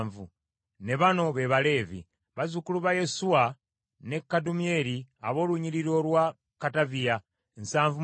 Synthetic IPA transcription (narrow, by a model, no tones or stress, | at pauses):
ɱvu | ne̞βano̞βe̞βale̞ːvḭ | βazukuluβaje̞sua | ne̞kːadumie̞ɾia̰βo̞ːluɲiɾiɾo̞lwa | katavia | ensaːɱvu